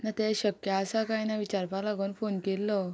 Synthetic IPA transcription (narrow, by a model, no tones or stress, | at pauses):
nat̪ɛɕəkjaːsakãjnaʋit͡ɕaɾpalaɡuːnfonkelːɔ